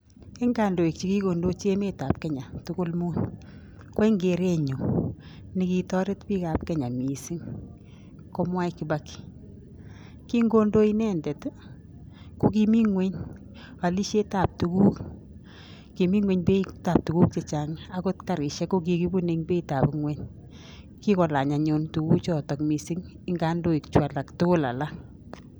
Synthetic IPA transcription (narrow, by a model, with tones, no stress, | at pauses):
ke˦ŋa˨ndo˨i˨k̚t͡ʃi˦ki˦ko˨ndo˦t͡ʃe˦me˦ta˨p̚ke˦ɲa˨tʊ˦kʊ˦lmu˦n | ko˦i˦ŋɡe˨ɾe˦ɲo˨ | ni˨ki˨tɔ˦ɾe˦tpi˦ka˨pke˦ɲa˨mi˨si˦ŋ | ko˦mwa˦iki˨ba˦ki̥˨ | ki˦ŋɡo˦ndo˦inɛ˦ndɛ˨t | ko˦ki˦mi˦ŋwe˦ɲ | a˨li˦ʃe˦ta˨p̚tu˨ku˦k | ki˨mi˦ŋwe˨ɲpe˦ta˨p̚tu˨ku˦k̚t͡ʃe˨t͡ʃa˨ŋa˦ko˦tka˨ɾɪ˨ʃɛ˦ko˦k̬i˧ki˦bu˦neŋpe˦ita˨pŋwe˦ɲ | ki˦kɔ˨la˨ɲa˨ɲo˨ntu˨ku˦kt͡ʃɔ˦˨tɔ˨kmi˨si˦ŋ | ɪŋɡa˦ndo˦i˨kt͡ʃwa˨la˨kto˦la̰˨la˦